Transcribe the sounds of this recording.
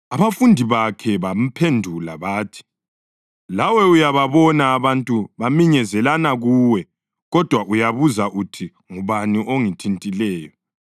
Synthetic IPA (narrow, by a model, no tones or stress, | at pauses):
aβafundʱiβakʰɛβam̩pʰendʱula̰βaːtʰi̥ | lawɛujaβaβɔnaːβantʼuβamiɲɛzɛlanaɣuːwɛ | ɣɔd̥ʱwaʔujaβuzaʔutʰi | ŋuβaniʔoŋitʰintʼilɛːjɔ